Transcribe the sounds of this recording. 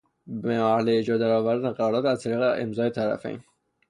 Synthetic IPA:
beæhleed͡ʒɒd̪æɾɒːvæɾd̪æneqæɾɒːɾdɒːt̪æzt̪ʰæɾiːɣeʔemzɒːet̪ʰæɾæ̰fḛjn

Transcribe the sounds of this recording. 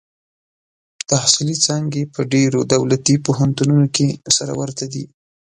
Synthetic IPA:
d̪̥əhsilit͡sɑŋɡepəɖeɾod̪awlat̪ipoɦant̪ununokesaɾa̰waɾt̪ad̪i

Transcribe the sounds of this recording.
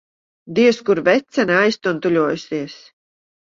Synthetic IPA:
d̪iɛskuɾvɛt̪sɛnajst̪unt̪ulʲuɔːjusiɛs

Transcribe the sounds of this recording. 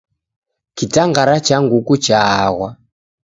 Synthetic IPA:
kitaŋɡaɾat͡ʃaŋɡukut͡ʃaɣwa

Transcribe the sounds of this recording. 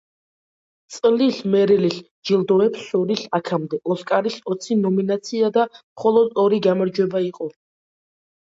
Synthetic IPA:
t̪sʼlismɛɾɛlis | d͡ʒilˠd̪ɔɛpsɔɾisakʰamd̪ɛʔɔskʼaɾisɔt̪sʰinɔminat̪sʰiad̪amχɔlˠɔd̪ɔɾiɡamaɾd͡ʒwɛbaiqʼɔ

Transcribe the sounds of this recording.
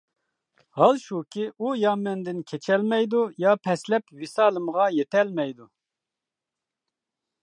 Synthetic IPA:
hɑlʃukʲʰiʔujɑːmɛnd̪ɪnkʲʰet͡ʃʰɛlmɛjd̪ujɑːpʰɛslɛpwisɑːlˠɨmʁɑjet̪ʰɛlmɛjd̪u

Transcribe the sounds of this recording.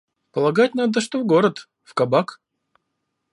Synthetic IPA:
pəlˠɐɡat̚ʲnad̪əʂt̪ovɡoɾət̪ | fkɐbak

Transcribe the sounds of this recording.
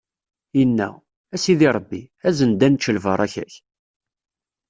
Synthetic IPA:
jənːæ̰ | æsiðiɾˤəbːi | æzənd̪ænt͡ʃːəlvəɾˤæçæ̰ç

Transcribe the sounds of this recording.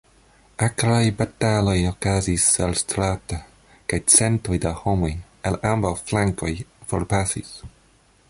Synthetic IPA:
akɾajbatalojokazisalstɾata | kajt͡sentojdahomoj | elambawflaŋkojfoɾpasḭs

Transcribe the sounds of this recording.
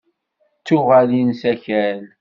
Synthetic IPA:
t͡sːʊʁælinsæçæl

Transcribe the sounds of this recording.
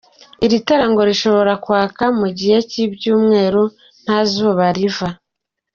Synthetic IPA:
iɾitaɾaŋɡo̞ɾiʃo̞βo̞ɾakwaːkamuɟihe̞cibɟuːmŋe̞ːɾo | n̥haːzuoβaɾiva

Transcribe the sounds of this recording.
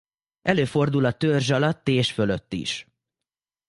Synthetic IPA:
ʔɛløːfo̞rd̪ulɒt̪ørʒɒlɒt̪ːeːʃføløt̪ːḭʃ

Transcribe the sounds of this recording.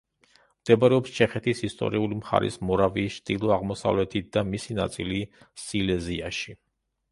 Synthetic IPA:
md̪̥ɛbaɾɛɔpst͡ʃʰɛχɛt̪ʰisist̪ʼɔ̰ɾiulimχa̰ɾʔḭsmɔɾaviːsʃt̪ʼilˠɔaʁmɔsa̰vlɛt̪ʰit̪̚ʰd̪̥amisinat̪sʼili | silɛziaʃi

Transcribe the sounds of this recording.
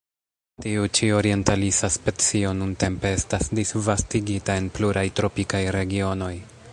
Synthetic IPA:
tiut͡ʃio̞ɾie̞ntalisaspet͡sio̞nunte̞mpe̞e̞stasdisvastiɡitae̞npluɾajtɾo̞pikajɾe̞ɡio̞no̞j

